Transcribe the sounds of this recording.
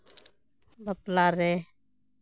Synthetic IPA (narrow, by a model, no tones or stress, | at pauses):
bəplaɾe